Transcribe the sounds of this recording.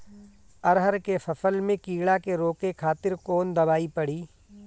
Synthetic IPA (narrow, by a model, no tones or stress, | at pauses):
ɐɾɦəɾkefʰɐfʰəlmẽkiːɽakeɾoːkekʰaːt̪ɪɾkoːnd̪ɐbaːipɐɽ̤iː